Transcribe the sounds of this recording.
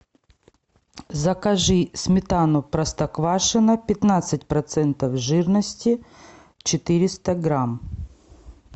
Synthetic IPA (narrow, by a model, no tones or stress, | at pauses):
zɐkɐʐɨsʲmʲɪt̪anʊpɾɐst̪ɐkvaʂɨnɐpʲɪt̪nat̪sɨtʲpɾɐt̪sɛnt̪ɐfʐɨrnəsʲtʲɪ | t͡ɕɪt̪ɨɾʲɪst̪ɐɡɾam